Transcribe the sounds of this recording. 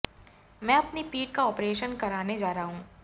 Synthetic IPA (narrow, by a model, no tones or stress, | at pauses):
mɛ̃ːɐpnipiːʈ̚kaɔːpɾeːʃənkɐɾaːned͡ʒaːɾaɦũː